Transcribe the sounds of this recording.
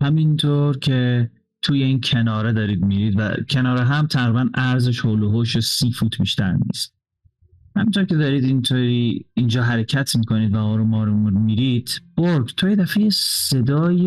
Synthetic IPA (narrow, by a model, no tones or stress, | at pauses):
hæmint̪ʰoɾcʰe̞ | t̪ʰuːjeiːncʰenɒːɾed̪ɒːɾiːd̪miːɾiːd̪væ̰cʰe̞nɒːɾeɦæmt̪ʰæɣɾiːbænæɾzeʃhoːloɦoːʃosiːfuːt̪ʰbḭːʃt̪æ̰ɾnḭst̪̚ | hæmint̪ʰoɾkʰe̞d̪ɒːɾiːd̪int̪ʰoːɾiːnd͡ʒɒːɦæɾecʰæt̪ʰmiːkʰo̞niːd̪væɒːɾomɒːɾomudmiɾid̪̥b̥oɾɡt̪ʰojed̪æfejese̞d̪ɒːje